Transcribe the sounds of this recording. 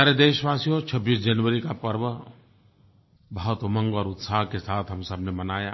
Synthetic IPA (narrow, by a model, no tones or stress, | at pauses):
əɾed̪eːʃʋaːsijot͡ʃʰɐbːiːsd͡ʒɐnʋəɾikapɐɾʋə | bəɦət̪mə̃ŋɡɔːɾʊt̪saːɦkesaːt̪ʰɦɐmsɐbʱnemɐnaːjaː